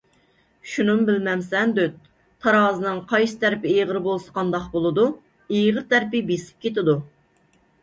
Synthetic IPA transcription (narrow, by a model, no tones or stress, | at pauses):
ʃunɨmbɪlmɛmsɛnd̪øt̪ | t̪ʰɑɾɑːzɨnɨŋqʰɑjsɨ̥t̪ʰæɾpɪejʁəɾbolˠsə̥qʰɑnd̪ɑqbolˠɨd̪u | ejʁəɾt̪ʰæɾpɪbesɪ̥p̚kʲʰet̪ɪd̪u